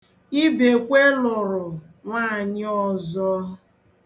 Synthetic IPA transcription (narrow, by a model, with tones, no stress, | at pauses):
i˦be˨kʷe˦lʊ˨ɾʊ˨ | ŋʷaː˦˨ɲɪ˦ɔ˦zɔ˦